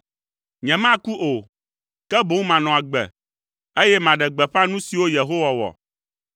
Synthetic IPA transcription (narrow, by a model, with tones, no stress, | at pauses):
ɲɛ̃˨mã˦ku˦ʔo˨ | kɛ˦bo˨˦ŋ˦mã˨nɔ̃˨a˨ɡ͡bɛ̰˨ | e˦jɛ˦mã˨ɖɛ˨ɡ͡bɛ˨ɸa˦nũ˦si˨wo˦je˨ɦo˦wa˨wɔ̰˨